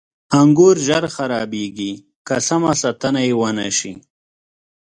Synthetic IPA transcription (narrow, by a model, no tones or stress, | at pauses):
aŋɡoɾʒaɾxaɾɑbeɡi | kasamasat̪anajewənaʃḭ